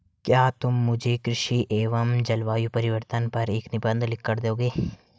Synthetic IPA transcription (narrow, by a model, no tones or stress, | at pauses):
kjaːt̪ʊmːʊd͡ʒʱekɾɪʃiʔeːʋəmd͡ʒɐlʋaːjupɐɾɪʋəɾt̪ənpɐɾeːknɪbə̃nd̪ʱlɪkːɐɾd̪eoːɡeː